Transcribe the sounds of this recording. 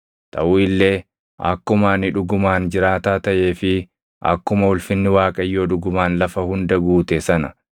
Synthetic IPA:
t̪ʰɐʔuːɪlːe̞ː | ʔɐ̰kːʊmaːnɪᶑʊɡʊmaːnd͡ʒɪɾaːt̪aːt̪ɐʔeːfɪ | ʔɐ̰kːʊmɐʊlfɪnːɪwaːkʼɐjːo̞ːᶑʊɡʊmaːnlɐfɐhʊnd̪ɐɡuːt̪ɛsɐnɐ

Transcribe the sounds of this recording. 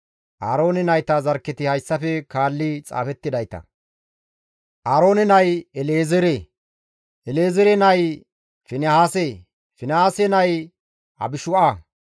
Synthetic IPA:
ʔa̰ːɾo̞ːnɪnɐjt̪ɐzɐɾkːɛt̪ɪhɐjsːɐfɛkaːlːɪt͡sʼa̰ːfɛt̪ːɪd̪ɐjt̪ɐ̰ | ʔaːɾo̞ːnɛnɐjɛleːzɛɾe | ʔɛleːzɛɾɛnɐj | fɪnɛhaːse | fɪnhaːsɛnɐj | ɐ̰bɪʃʊʔa

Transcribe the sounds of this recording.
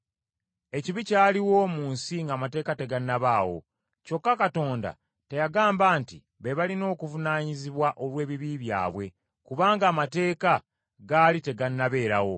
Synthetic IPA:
e̞ciβicaːliwo̞ːmuːnsiŋɡaːmate̞ːkate̞ɡanːaβaːwo̞̰ | co̞kːakato̞ːnda̰ | te̞jaɡaːmbaːnti | βe̞βalino̞ːkuvunaːɲiziβwaʔo̞lwe̞ːβiβiβja̰ːβwe̞ | kuβaːŋɡaːmate̞ːka | ɡaːlite̞ɡanːaβe̞ːɾawo̞

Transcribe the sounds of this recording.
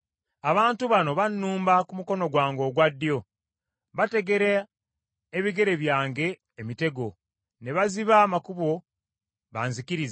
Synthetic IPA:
aβaːntuβano̞βanːuːmbakumuko̞no̞ɡwaːŋɡo̞ːɡwadːjo̞ | βate̞ɡe̞ɾeː | βiɡe̞ɾe̞βjaːŋɡe̞ː | mite̞ɡo̞ | ne̞βaziβaːmakuβo̞ | βaːnzikiɾiz

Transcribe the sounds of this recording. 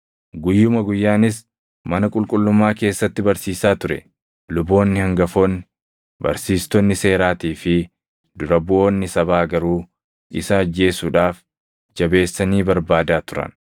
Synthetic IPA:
ɡʊjːʊmɐɡʊjːaːnɪs̬ | mɐnɐkʼʊlkʼʊlːʊmːaːke̞ːsːɐt̪ːɪbɐɾsiːsaːt̪ʊɾɛ̰ | lʊbo̞ːnːɪhɐŋɡɐfoːnːɪ | bɐ̰ɾsiːst̪ɔnːɪse̞ːɾaːt̪iːfɪ | d̪ʊɾɐbʊʔo̞ːnːɪsɐβaːɡɐɾuː | ɪsɐːd͡ʒːe̞ːsuːᶑaːf | d͡ʒɐbe̞ːsːɐniːbɐɾbaːd̪aːt̪ʊɾɐ̰n

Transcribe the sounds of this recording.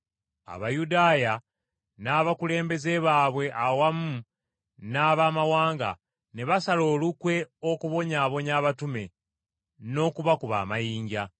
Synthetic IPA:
a̰βajudaːja | naːβakule̞ːmbe̞ze̞βaːβwe̞ʔawamu | naːβaːmawaːŋɡa̰ | ne̞βasalo̞ːlukwe̞o̞kuβo̞ɲaːβo̞ɲaːβatume̞ | no̞ːkuβakuβa̰ːmajiːɲɟa

